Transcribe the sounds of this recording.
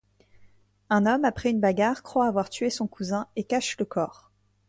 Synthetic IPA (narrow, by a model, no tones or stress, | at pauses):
ɛ̃nɔmapχɛynbaɡaʁkχwaːvwaʁt̪ɥesɔ̃kʰuzɛ̃ekaʃləkɔːʁ